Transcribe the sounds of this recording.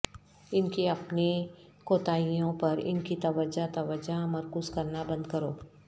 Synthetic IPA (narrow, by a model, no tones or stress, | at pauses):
ɪnkiɐpni | koːt̪aːijõpɐɾɪ̰nkit̪ɐʋəd͡ʒat̪ɐʋəd͡ʒamɐɾkuːzkɐɾnabɐ̃nd̪kɐɾoː